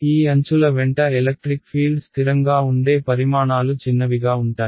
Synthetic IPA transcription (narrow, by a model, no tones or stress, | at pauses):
iːɐɲt͡ʃulɐʋɛɳʈɐelɐk̚ʈɾikpʰiːlɖst̪ʰiɾɐŋɡaːuɳɖe̞ːpɐɾimaːɳaːlut͡ʃinːɐʋiɡaːuɳʈaːji